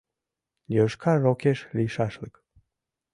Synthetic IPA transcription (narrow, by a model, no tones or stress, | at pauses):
jəʃkʰɑrokeʃliʃɑʃlək